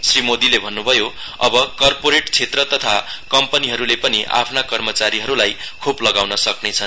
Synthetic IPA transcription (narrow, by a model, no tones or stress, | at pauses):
srimod̪ilebʱʌnːubʱʌjo | ʌbʌkʌrpoɾeʈt͡sʰet̪rʌt̪ʌt̪ʰakʌmpʌniɦʌɾulepʌniʔa̰pʰnakʌrmʌt͡saɾiɦʌɾulaj | kʰuplʌɡawnʌsʌknet͡sʰʌn